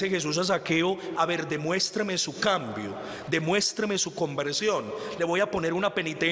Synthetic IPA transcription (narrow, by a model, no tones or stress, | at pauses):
exe̞s̬us̬as̬ake̞oaβe̞ɾd̪e̞mwe̞st̪ɾeme̞sukambjo̰ | d̪e̞mwe̞st̪ɾemesuko̞mbe̞ɾsjo̞nle̞βo̞japo̞ne̞ɾunape̞nit̪e